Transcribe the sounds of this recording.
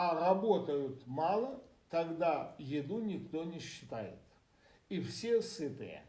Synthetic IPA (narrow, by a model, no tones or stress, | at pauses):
ɐrɐbot̪əjʊt̪malˠət̪ɐɡd̪ajɪd̪unʲɪkt̪onʲɪɕːɪ̥t̪ajɪ̰t̪ | ifsʲesɨt̪ɨ̰jə̰